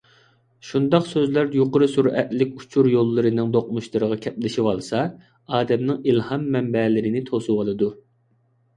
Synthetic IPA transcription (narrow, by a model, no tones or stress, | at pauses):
ʃund̪ɑqsøzlæɾjoqəɾɨsuɾɛ̰t̪lɪkʲu̥t͡ʃʰuɾjolˠːɨɾɨnɨŋd̪oq̚muʃt̪ˠɨɾəʁɑkʲʰɛp̚lɪʃiwɑlˠsɑ | ɑːd̪ɛmnɪŋilhɑmːɛmbɛlɪɾɪnɪt̪ʰosuwɑlˠɨd̪u